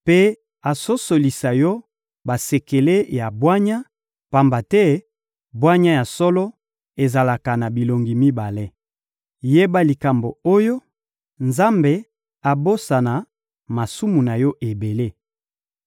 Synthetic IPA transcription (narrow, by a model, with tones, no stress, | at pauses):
pe˦ | a˨so˦so˨li˨sa˨jɔ˦ | ba˨se˨ke˨le˦ja˨bwa˦ɲa˦ | pa˨mba˨tɛ˦ | bwa˦ɲa˦ja˨sɔ˦lɔ˦ | e˨za˨la˨ka˨na˨bi˨lo˨ŋɡi˨mi˦ba˨le˦ | je˦ba˦li˨ka˨mbo˨o˦jo˦ | nza˦mbe˨ | a˨bo˦sa˨na˨ | ma˨su˦mu˨na˨jɔ˦ʔe˨be˨le˦